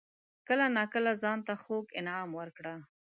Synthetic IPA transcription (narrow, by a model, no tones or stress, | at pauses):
kəlanɑkəlazɑnt̪axoɡɪnʕɑmwəɾkɽa